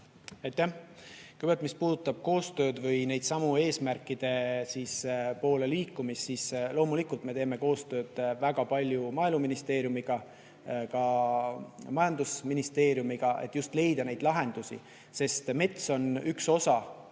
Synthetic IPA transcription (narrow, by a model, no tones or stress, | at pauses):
ɑjt̪ːˑæhkujbɑlt̪mispuːd̪̥ut̪ːˑɑb̥̚ko̞ːst̪ø̞ːd̪̥vɤjne̞jd̪̥sɑmue̞ːsmærkːˑid̪̥e̞siːspo̞ːle̞liːkːumisːiːslo̞ːmulikult̪me̞t̪e̞ːme̞ko̞ːst̪ø̞ːd̪̥væɡɑpɑlʲjumɑjluminist̪e̞ːɾjumiɡ̥ɑ | kɑ | mɑjɑnd̪usminist̪e̞ːɾjumiɡ̥ɑʔe̞̰t̪ːˑjust̪le̞jd̪̥ɑne̞jd̪̥lɑɦe̞nd̪̥usḭ | se̞st̪me̞t̪so̞nykso̞sɑ